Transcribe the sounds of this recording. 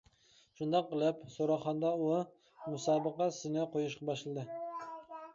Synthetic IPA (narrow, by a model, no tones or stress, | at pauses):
ʃund̪ɑqːəlˠɪpsoɾɑχɑnd̪ɑu | musɑːbəqɑsɪnɪqʰojuʃqɑbɑʃlˠɨd̪ɨ